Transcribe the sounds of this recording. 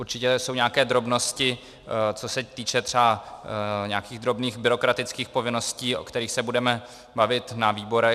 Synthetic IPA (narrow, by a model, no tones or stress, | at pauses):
ʔuɾt͡ʃɪcɛso̞wɲaːkɛːd̪ɾo̞bno̞scɪ | t͡so̞sɛt̪iːt͡ʃɛt̪r̥ɛa | ɲɛakiːɣd̪ɾo̞bniːxbɪɾo̞kɾat̪ɪt͡skiːxpo̞vɪno̞sciːʔo̞̰kt̪ɛɾiːxsɛbudɛmɛ | bavɪt̪naviːbo̞ɾɛ